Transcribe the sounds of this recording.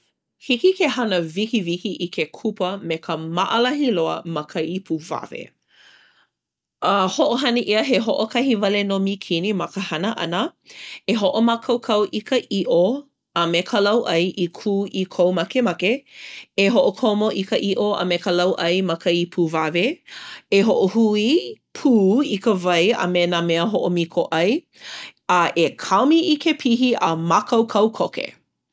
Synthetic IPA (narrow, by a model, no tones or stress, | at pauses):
hikikehɐnəvikivikiʔikʰekʰupəmekʰəmɐʔəlɐɦiloəmɐkʰəipʰuva̰vḛ | ɐhoʔoɦɐniʔiəɦeɦoʔokʰɐhivɐlenomikʰinimɐkəhɐnəʔɐ̰nəeɦoʔomakʰɐwkʰɐwʔikʰəʔiʔo | ɐmekʰəlɐwʔɐjʔikʰuːʔikʰowmɐkemɐkeeɦoʔokʰomoʔikəʔiʔoɐ̰mekəlɐwʔɐjmɐkəipʰuːvaveeɦoʔohui | pʰuːikəvɐjɐ̰menameəɦoʔomikʰoʔɐj | ɐʔekʰawmiʔikʰepʰiɦiʔɐmakʰɐwkʰɐwkʰokḛ